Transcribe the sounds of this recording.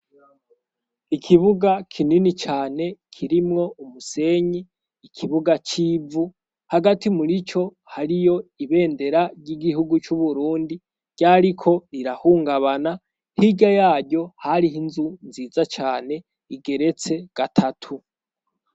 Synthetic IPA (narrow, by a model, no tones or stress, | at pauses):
ikʰiβuɡakʰininit͡ʃaːne̞kʰiɾimŋo̞umuse̞ɲiː | kʰiβuɡat͡ʃiːvu | haɡatimuɾit͡ʃo̞ | haɾijo̞iβe̞ːnde̞ɾaɾɟiɡihuɡut͡ʃuβuɾuːndi | ɟ̥aɾikʰo̞iɾahuːŋɡaβana | hiɟajaːɾɟo̞haɾiɦinzunziːzat͡ʃaːne̞ | iɡe̞ɾe̞t͡se̞ɡ̥atʰatʰu